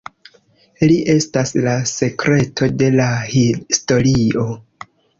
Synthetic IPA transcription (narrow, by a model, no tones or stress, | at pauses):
liʔe̞staslase̞kɾe̞tʰo̞de̞lahisto̞ɾio̞